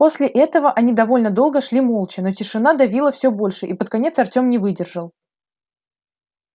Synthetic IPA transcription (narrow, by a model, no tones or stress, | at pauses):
po̞sʲlʲɪʔɛt̪əvəʔɐnʲid̪ɐvo̞lʲnəd̪o̞lˠɡəʂlʲimo̞lˠt͡ɕɪno̞tʲɪʂɨn̪ad̪ɐvʲilˠəfsʲobo̞lʲʂɨʔipət̪̚kɐnʲe̞t̪sɐrtʲo̞mnʲɪvɨdʲɪrʐəlˠ